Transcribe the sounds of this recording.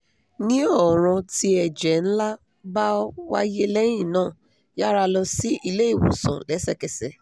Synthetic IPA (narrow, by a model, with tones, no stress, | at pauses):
nĩ˦ɔ˦˨ɾ̃ɔ̃˧ti˧˦ɛ˨d͡ʒɛ˨n̩˦la˦ | ba˦wa̰˦je˦lɛ˦j̃ĩ˦˨nãː˦˨ | ja˦ɾa˧lɔ˧si˦i˦˧˨le˨˦i˦˨wõ̰˨sã̰˨lɛ˨˦sɛ˧˨kɛ˨sɛ˧˨